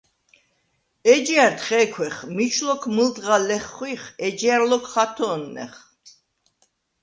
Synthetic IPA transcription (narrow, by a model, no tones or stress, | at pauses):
ɛd͡ʒiaɾt̪χɛkʰwɛχmit͡ʃʰlɔkʰmɨld̪ʁalɛχːwiχɛd͡ʒiaɾlɔkʰχat̪ʰɔːnːɛ̰χ